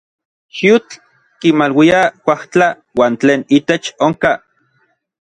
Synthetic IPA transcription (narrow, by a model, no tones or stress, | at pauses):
ʃut͡ɬ | kimalwiakʷaht͡ɬa | waːnt͡ɬeːnit̪et͡ʃoŋka